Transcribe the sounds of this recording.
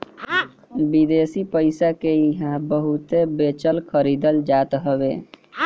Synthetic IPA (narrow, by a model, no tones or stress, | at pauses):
bid̪esipəɪsakeiɦãbəɦut̪ebet͡ʃəlkʰəɾid̪əld͡ʒat̪ɦəbe